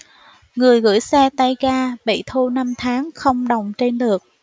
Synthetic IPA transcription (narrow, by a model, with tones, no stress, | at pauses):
ŋɨ˨˩əjɣɨ̰˧˥jsɛ˧t̪a˧jkaː˧ɓḭ˧˨t̪ʰu˧na˧mt̪ʰaː˨˦ŋxə˧wŋ͡mɗə˨˩wŋ͡mt͡ɕe˧nɗɨ˨˩ək̚